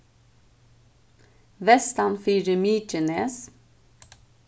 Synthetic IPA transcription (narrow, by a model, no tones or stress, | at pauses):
ʋɛst̪ɑnfyːɾəmiːt͡ʃəneːs